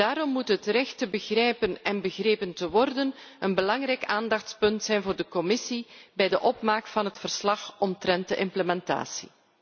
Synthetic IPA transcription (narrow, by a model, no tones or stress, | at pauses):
daːɾɔmːutɦətrɛxtəbəɣrɛjpənɛnbəɣreːpəntəʋɔrdənənbəlɑŋrɛjkaːndɑxtspɵntsɛjnvoːrdəkɔmɪsibɛjdəʔɔpmaːkfɑnɦətfərslɑxɔntɾɛnt̚dəʔɪmpləmɛnta̰ːsḭ